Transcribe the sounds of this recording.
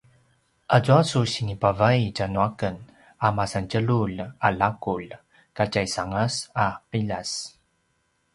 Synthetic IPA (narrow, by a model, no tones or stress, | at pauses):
ʔad͡ʒuasusiŋipavajcanuakən | amasant͡ʃəɭulalakul | kacajsaŋasapiʎas